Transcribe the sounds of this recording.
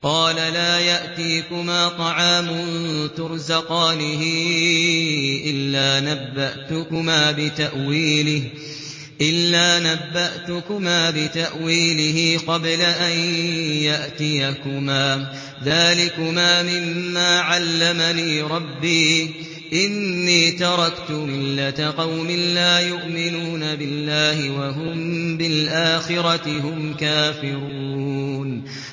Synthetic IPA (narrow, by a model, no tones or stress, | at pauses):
qɑːlalaːjaʔt̪iːkʊmaːt̪ˤɑʕaːmʊnt̪ʊɾzaqɑːnɪɦɪ | ʔɪlːaːnabːaʔt̪ʊkʊmaːbɪt̪aʔwiːlɪh | ʔɪlːaːnabːaʔt̪ʊkʊmaːbɪt̪aʔwiːlɪɦɪqɑblaʔanjaʔt̪ɪjakʊmaː | ðaːlɪkʊmaːmɪmːaːʕalːamaniːɾˤɑbːiː | ʔɪnːiːt̪ɑɾˤɑkt̪ʊmɪlːat̪aqɑwmɪnlaːjʊʔmɪnuːnabɪlːaːhɪwaɦʊmbɪlʔaːxɪɾˤɑt̪ɪɦʊmkaːfɪɾuuːn